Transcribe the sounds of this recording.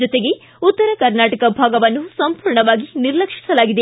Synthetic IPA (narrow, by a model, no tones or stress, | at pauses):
d͡ʒɔt̪e̞ɡe̞ | ut̪ːɐɾɐkɐɾnaːʈɐkɐbʱaːɡɐʋɐnːusɐmpuːɾɳɐʋaːɡiniɾlɐkʂi̥sɐlaːɡid̪e